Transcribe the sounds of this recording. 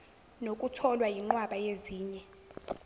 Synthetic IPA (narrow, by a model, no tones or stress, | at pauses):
nokʼutʰɔlwajiŋ͡ǃwaɓajeziːɲɛ